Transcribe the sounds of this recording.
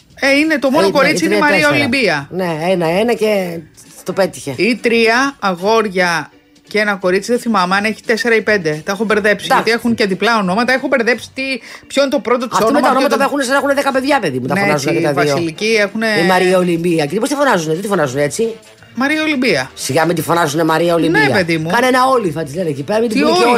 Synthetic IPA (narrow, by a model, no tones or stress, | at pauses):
eine̞t̪o̞mo̞noko̞ɾisiineimɐɾiɐolimbiɐneenɐenɐcet̪ope̞t̪i̥çe̞it̪ɾiɐːɣo̞ɾʝɐ | cenɐko̞ɾit͡siðeθimɐmeɐneçi̥t̪e̞se̞ɾɐipe̞nd̪e̞t̪ɐexobe̞ɾðe̞psiɐot̪ie̞xunce̞ðiplɐo̞no̞mɐt̪ɐexobe̞ɾðe̞psi̥t̪ipçoinet̪o̞pɾo̞t̪ot̪i̥sonoemɐonomɐt̪ɐpexunesɐnexuneðekɐpe̞ðʝɐpeðimut̪ɐnenɐzuneekɐðvɐsilicie̞xune̞imɐɾiɐolimbiɐcinipost̪ifo̞nɐzunet̪it̪ifo̞nɐzuneet͡si | mɐɾiɐo̞limbiɐsiɣɐmit̪ifonɐzunemɐɾiɐolimniɐpe̞ðimukɐnenɐolifɐt̪izlenecipeɾɐmit̪it̪io